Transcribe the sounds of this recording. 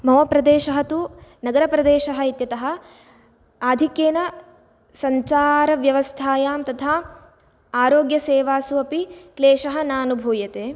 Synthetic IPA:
mɐʋɐpɾɐd̪eːʃɐɦɐt̪unɐɡɐɾɐpɾɐd̪eːʃɐɦɐit̪jɐt̪ɐɦɐ̆ | aːd̪ʱikjeːnɐ | sɐɲt͡ʃaːɾɐʋjɐʋɐst̪ʰaːjaːmt̪ɐt̪ʰaː | aːɾoːɡjɐseːʋaːsuɐpikleːʃɐɦɐnaːnubʱuːjɐt̪eː

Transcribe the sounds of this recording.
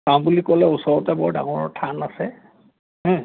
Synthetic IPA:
kaw̃bulikɔlɛusɔɹɔtɛbɔɹda̰ŋɔɹɔtʰanasɛ | ɦɛ̃

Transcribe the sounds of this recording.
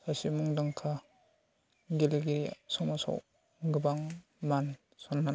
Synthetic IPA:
sasimuŋdaŋkʰa | ɡeleɡiɾiasɔwmasa̰w | ɡɯbaŋ | man | sɔnːa

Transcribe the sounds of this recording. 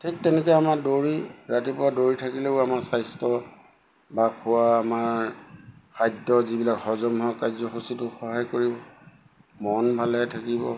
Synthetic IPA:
tʰik̚tɛnɛkɔjamadoɹiɹatipʊwadoɹitʰakilɛʊamaɹsajstɔ | bakʰʊwaːmaɹ | kʰajdɔzibilakhɔzɔmɦɔkajzɔxusitʊxɔɦajkoɹibɔ | mɔnbʱalɛtʰakibɔ̰

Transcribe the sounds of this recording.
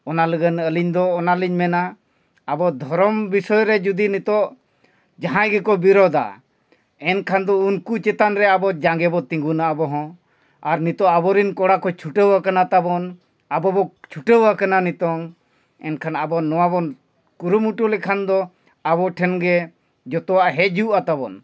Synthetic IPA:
ɔnaləɡənəliɲd̪ɔːnaliɲmɛnaː | bɔd̪ʱɔɾɔmbisɔjɾɛd͡ʒud̪init̪ɔʔ | d͡ʒaɦãjɡɛkɔbiɾɔd̪a̰ | ɛnkʰand̪ɔunkut͡ʃɛt̪anɾɛabɔd͡ʒaŋɡɛbɔt̪ĩŋɡunaʔabɔɦɔ̃ | aɾnit̪ɔʔabɔɾinkɔɽakɔt͡ʃʰuʈewakanat̪abɔn | abɔbɔt͡ʃʰuʈewakananit̪ɔŋ | ɛnkʰanabɔnɔwabɔn | kuɾumuʈulɛkʰand̪ɔ | aβɔʈʰɛnɡɛ | d͡ʒɔt̪ɔwaʔɦɛd͡ʒiwʔat̪abɔn

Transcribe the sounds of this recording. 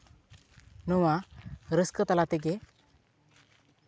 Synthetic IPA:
nuwaɾəskət̪alat̪eɡe

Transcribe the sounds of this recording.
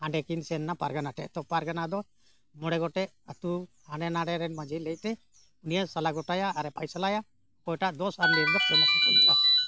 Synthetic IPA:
hãɳɖɛkinsɛnːapaɾɡanaʈɛʔt̪ɔpaɾɡanad̪ɔ | mɔɽɛɡɔʈɛʔ | at̪u | haɳɖɛnaɖɛɾɛɖmad͡ʒɛlɛc̚t̪ɛ | unijasalaɡɔʈajaʔːɾɛpajsalaja | kɔjʈaʔd̪ɔsaɾliɾd̪ɔpɛnasit̪ɛ̰lḭʔa

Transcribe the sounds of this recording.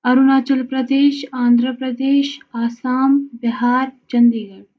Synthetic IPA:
ɐɾunaːt͡ʃɐlpɾɐd̪eːʃaːnd̪ʱɾəpɾɐd̪eːʃaːsaːmbiɦaːɾt͡ʃɐnd̪iːɡɐɽ

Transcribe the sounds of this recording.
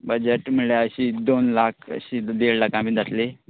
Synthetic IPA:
bəd͡ʑeʈmiɭjaəɕid̪onlakʰə̰ɕid̪eɽlakãbiːd͡zat̪le

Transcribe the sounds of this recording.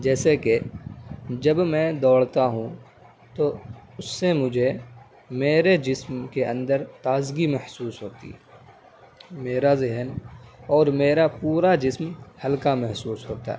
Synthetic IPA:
d͡ʒɛːseke | d͡ʒɐbmɛ̃d̪ɔːɽt̪aɦũ | t̪oʊsːemʊd͡ʒʱe | meːɾed͡ʒɪsmkeə̰̃nd̪əɾt̪aːzɡimɛhsuːsɦoːt̪ḭ | meːɾazɪɦənɔːɾmeːɾapuːɾad͡ʒɪsmhɐlkamɛɦsuːsɦoːt̪a̰ɦɛ̰ː

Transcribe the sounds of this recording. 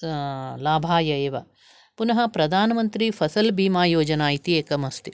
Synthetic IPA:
laːbʱaːjɐeːʋɐ | punɐɦɐ̆pɾɐd̪ʱaːnɐmɐnt̪ɾifʰɐsɐlbiːmaːjoːd͡ʒɐnaːjit̪ieːkɐmɐst̪i

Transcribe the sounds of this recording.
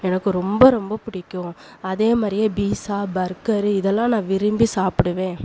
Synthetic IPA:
ɛnɐkːɯɾɔmbɐɾɔmbɐpʊɽɪkːʊ̃ | ɐðeːmaːɾɪjeːbiːsaːbɐɾkɐɾɪðɛlːãːnãːʋɪɾɯmbisaːpɯɽɯʋẽː

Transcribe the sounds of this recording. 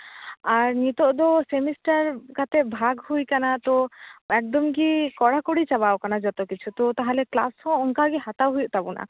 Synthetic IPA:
aɾnit̪oʔd̪osemisʈaɾkat̪ʰebʱaɡhujkanat̪oɛk̚d̪ɔmkikɔɽakoɽit͡ʃabaokanad͡ʒɔt̪okit͡ɕʰut̪ot̪aɦalekla̰shɔɔŋkaɾɡiɦat̪awɦujʔt̪abuna̰

